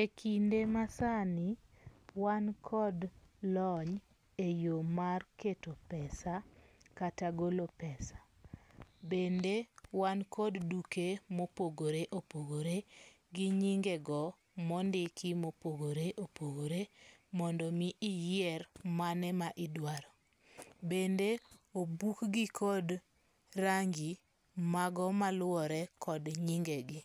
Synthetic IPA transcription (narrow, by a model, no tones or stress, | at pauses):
ekʰindemasani | wankʰɔdlɔɲ | ejomarketopɛsakataɡolopɛsḁ | bendewankʰɔddukemopoɡoɾeʔopoɡoɾe | ɡiɲiŋɡeɡɔ | mɔndɪkimopoɡoɾeʔopoɡoɾemɔndɔmiːjɛrmanɛmaʔɪdwaɾɔ | bendeobukɡɪkʰɔd | raŋɡi | maɡɔmalʊɔɾɛkɔdɲiŋɡeɡɪ